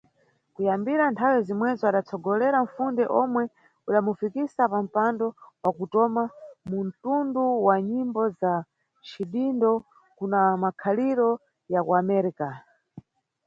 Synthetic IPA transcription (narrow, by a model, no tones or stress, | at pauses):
kujambiɾantʰawɛzimwɛzɔaɗat͡sʰɔɡɔlɛɾaɱ̩fundɛʔɔmwɛ | uɗamufikisapam̩pandɔwakutɔmamuntunduwaɲimbɔza | t͡ʃʰiɗindɔ | kunamakʰaliɾɔ | jakuamɛɾika